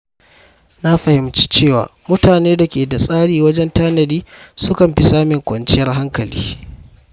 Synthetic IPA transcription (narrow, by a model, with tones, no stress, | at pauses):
na˦ɸɐ˨hɪ˨mt͡ʃi̥ː˦t͡ʃeː˦˨wa̰ː˨mʊ˦taː˨neː˦da˨kʲeː˨da˨sʼaː˦ɽiː˨wɐ˦d͡ʒɛ˦ntaː˦nɐ˨diː˦sʊ˦kɐ˨mɸɪ˦saː˦mɪ˨ŋkʷɐ˨nt͡ʃɪ˦jɐ˦rɦa˦ŋkɐ˨lḭː˦